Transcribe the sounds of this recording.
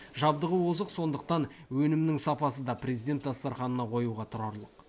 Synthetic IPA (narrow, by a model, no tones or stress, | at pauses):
ʒɑb̚d̪əʁəwozəqso̞nd̪əq̚t̪ɑn | wɵnɪmnɪŋsɑpɑsəd̪ɑprʲe̞zijd̪e̞t̪d̪ɑst̪ɑɾχɑnənɑqʰo̞juʁɑt̪ʰʊɾɑɾlˠəq